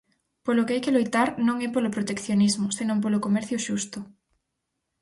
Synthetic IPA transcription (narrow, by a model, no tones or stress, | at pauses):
polʊkeajkelojt̪aɾnõŋɛpolopɾot̪ekθjonizmʊsenõmp̬olokomɛɾθjʊʃust̪ʊ